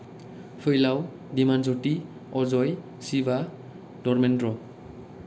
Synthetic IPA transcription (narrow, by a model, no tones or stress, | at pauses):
pʰɯjlaw | dimanzoti | ɔzɔj | siba | d̥ɔɹmɛndɹɔ